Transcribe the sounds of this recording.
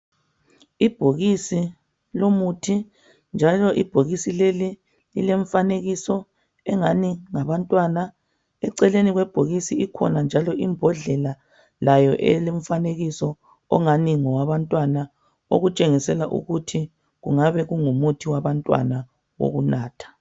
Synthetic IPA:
ib̥ʱoɣisi | lomutʰi | nd͡ʒʱalɔʔib̥ʱoɣisileli | lḭleɱfaneɣisɔ | ɛŋaniŋaβantʼwana | ɛǀɛleniɣwɛb̥ʱoɣisiikʰɔ̰nand͡ʒʱalɔʔimbʱɔɮɛla | lajɔʔɛ̰leɱfaneɣisɔ | ɔ̰ŋaniŋɔwaβantʼwana | o̰ɣut͡ʃʼeŋisɛlaʔṵɣutʰi | ɣṵŋaβɛɣuŋumutʰiwaβantʼwa̰na | wo̰ɣunaːtʰḁ

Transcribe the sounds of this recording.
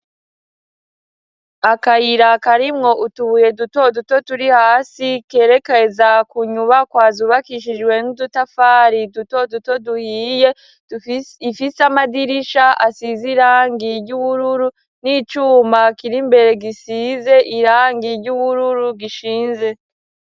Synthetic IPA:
akajiɾakaɾimŋo̞ʔutuβuje̞duto̞duto̞tuɾihaːsike̞ːɾe̞kezakuɲuβakwaːzuβakiʃ̬id͡ʒɡwe̞nudutafaːɾiduto̞duto̞duhiːje̞ | ifisamadiɾiʃaʔasiziɾaːŋɡiɾɟuβuɾuɾu | nit͡ʃuːmakiɾimbe̞ɾe̞ɡisiːze̞ʔiɾaːŋɡiɾɟuβuɾuɾuɡiʃiːnze̞

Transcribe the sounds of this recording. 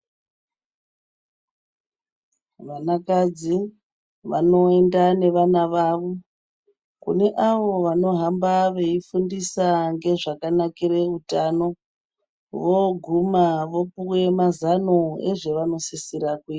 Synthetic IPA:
ʋanakad͡zi | ʋa̰no̞e̞ndane̞ʋanaʋaʋo | kṵne̞ʔaʋo̞ʋano̞ɦambaʋe̞ifundisaŋɡe̞ʐakanakire̞utano̞ | ʋoɡʱumaʋo̞puwe̞mazano̞eʐe̞ʋano̞sisiɾakwiː

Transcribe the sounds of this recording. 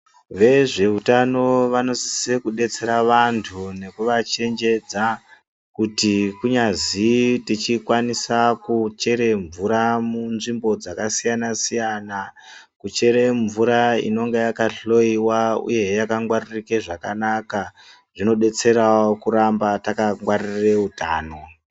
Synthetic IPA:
ʋe̞ʐe̞utano̞ʋano̞si̥sekuɗe̞t͡se̞ɾaʋantʰune̞kuʋat͡ʃe̞nd͡ʒe̞d͡za | kutikuɲazitit͡ʃikwanisakut͡ʃe̞ɾe̞ɱvuɾamunʐimbo̞d͡zakasijanasijana | kut͡ʃe̞ɾeɱvuɾaḭno̞ŋɡejakaɬo̞iwaṵje̞jakaŋɡwaririkeʐakanaka | ʐ̥ino̞ɗe̞t͡se̞ɾaokuɾambatakaŋɡwarire̞utaːno̞

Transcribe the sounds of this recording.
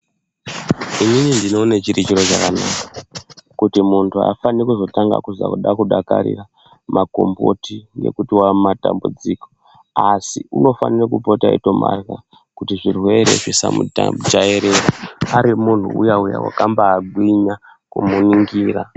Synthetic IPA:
ininindino̞ne̞t͡ʃiɾit͡ʃiɾo̞t͡ʃakanakḁkutimuntʰua̰fanikuzo̞taŋɡa̰kuza̰kuɗakuɗaka̰ɾḭra | mako̞mbo̰tiŋɡe̞̰kutiwamatambud͡ziːko̥ | asiuno̞fa̰nirekupotaḭto̞ma̰rɣa | kutiʐirwe̞ɾe̞̰ʐisamuad͡ʒaeɾeɾaaɾimun̤ṵṵjauja̰wa̰kambaːɡʱwiɲa | kumuniŋɡiːra

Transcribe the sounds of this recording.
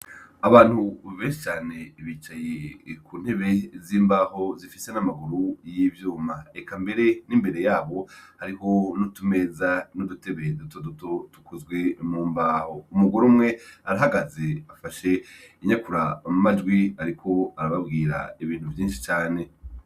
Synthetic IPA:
aβaːn̥huβeːnʃi̥t͡ʃaːne̞βit͡ʃajekuːn̥he̞βe̞ziːmbaːho̞zifise̞namaɡuɾujivjuːmaekambe̞ɾe̞nimbe̞ɾe̞jaːβo̞haɾiho̞nutume̞zanudute̞βedutoduto̞tu̥kʰozɡwe̞muːmbaːho̞umuɡuɾumŋe̞aɾaɦaɡaze̞afaʃe̞iɲakuɾamumad͡ʒɡwiaɾikʰo̞aɾaβabɡiːɾa̰iβiːn̥huvjiːnʃi̥t͡ʃaːne̞

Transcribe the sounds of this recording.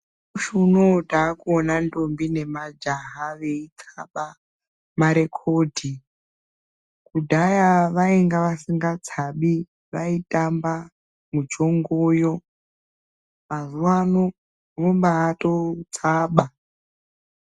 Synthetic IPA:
uʃunodaːkuonandombine̞mad͡ʒaɦaʋe̞it͡saɓa | maɾe̞kʰo̞ːdʱi | kudʱajaʋaiŋɡaʋasiŋɡat͡sʰaɓi | ʋaitʼamba | mud͡ʒo̞ŋɡojo̞ | mazuwano | ʋombaːtot͡saːɓa

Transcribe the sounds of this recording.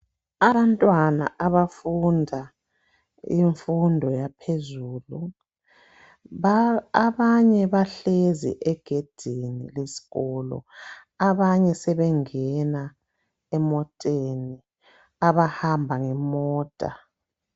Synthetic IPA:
aβantʼwana̰ʔaβafundʱa | iɱfundʱɔjapʰezuːlu | aβaɲɛβaɬezḭʔɛɡ̥ʱed̥ʱinilesi̥ɣɔlɔ̰ | aβaɲɛsɛβɛŋɛna | ɛmɔtʼeni | aβahambʱaŋɛmɔːtʼa̰

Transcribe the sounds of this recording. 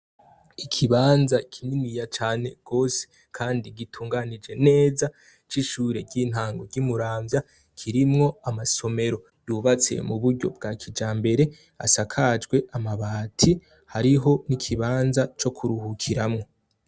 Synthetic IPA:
ikʰiβaːnzakʰininijat͡ʃaːne̞ɡ̥o̞se̥ | kʰaːndiɡitʰuːŋɡanid͡ʒe̞ne̞ːza | t͡ʃiʃuːɾe̞ɾɟin̥haːŋɡo̞ɾɟumuɾaːɱvja | kʰiɾimŋo̞amaso̞me̞ɾo̞ | juβat͡se̞̰muβuɾɟo̞̰b̚ɡaːkʰid͡ʒaːmbe̞ɾe̞ | a̰sakʰad͡ʒɡwe̞amaβaːtʰi | haɾiɦo̞nikʰiβaːnzat͡ʃo̞kʰuɾuhukʰiɾamŋo̞

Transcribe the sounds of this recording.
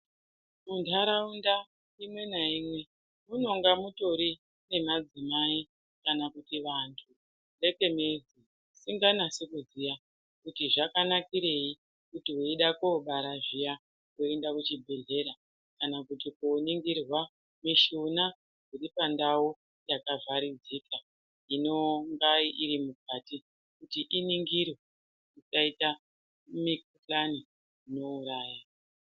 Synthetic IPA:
mundʰʱaɾaunda | imwe̞naimwe̞ | muno̞ŋɡamuto̞ɾi | ne̞mad͡zimai | kanakutiʋantʰu | le̞ke̞mezi | siŋɡanasekuzija | kutiʐakanakiɾe̞i | kutiweiɗakoɓaɾaʐija | kuendakut͡ʃibʱe̞ɮe̞ɾa | kanakutikoniŋɡirwa | miʃuna | kuɾipandawu | jakavaɾid͡ziːka | ino̞ŋɡaiʔiɾimuk̚ati | kutiʔiniŋɡiro | it͡ʃaita | mikuplani | ino̞uɾaːja

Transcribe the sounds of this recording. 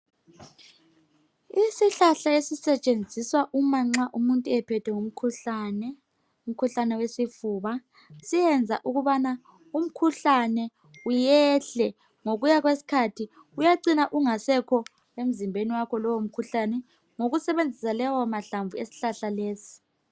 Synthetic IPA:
isiɬaɬaesisɛt͡ʃʼend͡zʱiswaʔumaŋ͡ǁaʔumuntʼuɛpʰɛtʰɛŋum̩kʰuɬanɛ | um̩kʰuɬanɛwesifuːβa | sijɛnd͡zʱaʔuɣuβana | um̩kʰuɬanɛ | ujɛɬɛ | ŋoɣujaɣwesi̥kʰatʰi | ujaǀinaʔuŋasɛkʰɔ | em̩zimbʱeniwakʰɔlɔwom̩kʰuɬanɛ | ŋoɣusɛβend͡zʱisalɛwamaɬaɱvuesi̥ɬaɬaleːsi̥

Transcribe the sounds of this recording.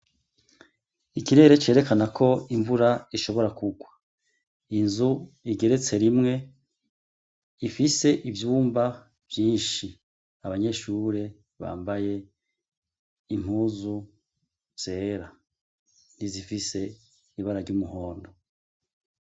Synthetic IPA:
ikiɾe̞ɾe̞t͡ʃe̞ːɾe̞kanakʰo̞iɱvuɾaiʃo̞βo̞ɾakuɡwa | inzuiɡe̞ɾe̞t͡se̞ɾimŋe̞ | ifise̞ʔivjuːmba | v̥jiːnʃi | aβaɲe̞ʃuːɾe̞ | βa̰ːmbaje̞ | im̥huːzu | z̥e̞ːɾa | nizifise̞ | iβaɾaɾɟumuɦo̞ːndo

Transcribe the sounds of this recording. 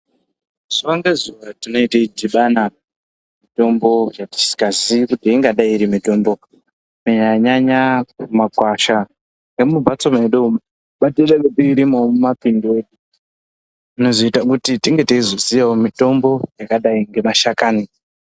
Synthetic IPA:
z̥uʋaŋɡezuʋatino̞iteidiɓana | mito̞mbo̞jati̥si̥kaziikutiiŋɡaɗaiɾimito̞mbo̞ | meɲaɲaɲakumakwaʃa | ŋɡemubʱat͡somaeɗo | ɓateɗaketeiɾimomumapindiweːɗu | ino̞zoitakutitiŋɡe̞teizozijawomito̞mbo̞jakaɗaiŋɡe̞maʃakaːno

